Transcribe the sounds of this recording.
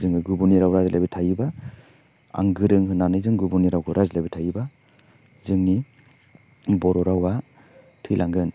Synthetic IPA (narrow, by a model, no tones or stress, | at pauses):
zɯŋɯɡubuniɾawɾazlʔajbitʰajiba | a̰ŋɡɯɾɯŋɦɯnanɯjzɯŋɡubuniɾawkʰɯɾʔazlajbitʰajiba | zɯŋni | bɔɾɔɾawa | tʰɯjlʔaŋɡɯn